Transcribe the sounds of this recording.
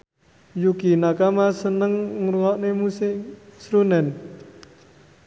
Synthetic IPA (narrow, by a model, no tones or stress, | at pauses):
jukinakamasənəŋŋuɾuŋɔʔnemusɪʔsɾunɛn